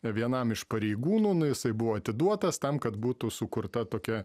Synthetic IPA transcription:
ʋʲiɛnɐmɪʃpɐɾʲɛɪɡuːnuːnʊjɪsɐɪbʊʋoːɐt̪ʲɪd̪uɔt̪ɐst̪ɐmkɐt̪buːt̪ʊsʊkʊɾt̪ɐt̪oːkʲɛ

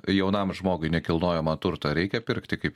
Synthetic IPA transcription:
jɛʊnɐmʒmoːɡʊɪnʲɛkʲɪlˠnoːjɛmɐt̪ʊɾt̪ɐɾʲɛɪkʲɛpʲɪɾkt̪ʲɪkɐɪp

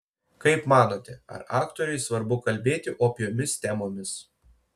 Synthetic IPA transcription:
kɐɪpmɑːnoːt̪ʲɛɐ̰ɾɑːkt̪oːɾʲɛɪsʋɐɾbʊkɐlʲbʲeːt̪ʲɪʔoːpʲɪjoːmʲɪst̪ʲɛmoːmʲɪs

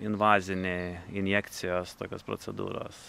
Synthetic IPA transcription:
ɪnʋɑːzʲɪnʲeɪnʲjɛkt̪sʲɪjoːst̪oːkʲoːspɾo̰ːsʲɛ̰d̪ṵːɾo̰ːs

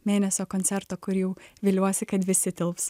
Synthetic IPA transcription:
mʲeːnʲɛsʲoːkoːnʲsʲɛɾt̪oːkʊɾjɛʊʋʲeːlʲuɔsʲɪkɐt̪ʋʲɪsʲɪt̪ʲɪlˠps

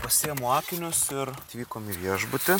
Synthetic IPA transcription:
pɐsʲeːjmoːkʲɪnʲʊsɪɾɐt̪ʲʋʲiːkoːmiʋʲiɛʒbʊt̪ʲɪ

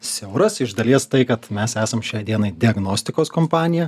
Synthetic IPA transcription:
sʲɛʊɾɐsɪʒd̪ɐlʲiɛst̪ɐɪkɐt̪mʲɛsæːsɐmʃʲɛɪd̪ʲiɛnɐɪd̪ʲɪɐɡnoːsʲt̪ʲɪkoːskompɑːnʲɪjɛ

